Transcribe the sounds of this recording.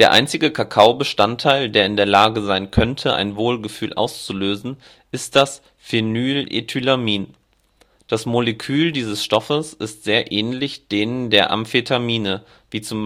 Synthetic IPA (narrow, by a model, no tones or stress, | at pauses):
d̥eːɐʔa̰ɪnt͡sɪɡəkʰakʰaʊbəʃtantʰːaɪldeːɐɪndeːɐlaːɡəzaɪnkʰœntʰəʔa̰ɪnvoːlɡəfyːlʔa̰ʊst͡suløːzn̩ | ʔɪst̚d̥as | fenyːlʔḛtʰylamiːn | d̥asmoləkʰyːldiːzəsʃtɔfəsʔɪstz̥eːɐʔɛːnlɪçd̥eːnəndeːɐʔa̰mfetʰamiːnə | viːt͡sʊm